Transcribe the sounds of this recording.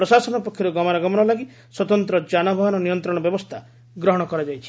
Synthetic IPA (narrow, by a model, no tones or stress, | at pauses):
pɾɔsasɔnɔpɔkʰːjɔɾɔɡɔmaɾaɡɔmɔnɔlaɡi | swɔt̪ɔnt̪ɾɔd͡ʒanɔbʱɔɦɔnɔnijɔnt̪ɾɔɽ̃ɔbjɔbɔst̪ʰa | ɡɾɔɦɔɽ̃ɔkɔɾad͡ʒajt͡ʃʰi̥